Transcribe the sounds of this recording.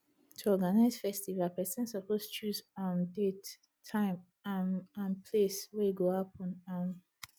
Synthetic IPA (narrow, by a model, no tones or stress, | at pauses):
tʰuɔɡanaɪz̥fɛstivalpɛsɛ̃nsɔpost͡ʃuzãmdetʰː | ãɪ̃m | amãnpʰleswɛɡoapɔ̃nãm